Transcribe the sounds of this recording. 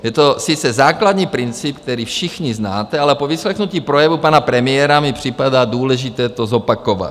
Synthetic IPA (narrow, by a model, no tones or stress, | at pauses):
jɛt̪o̞sɪt͡sɛzaːklad̪ɲiːpɾɪnt͡sipk̚t̪ɛɾiːfʃɪxɲiznaːt̪ɛalɛpovɪslɛxnuciːpɾojɛvupanapɾɛmɪjɛːɾamɪpr̝̥ɪpadaːduːlɛʒɪt̪ɛːt̪ozopakova̰t̪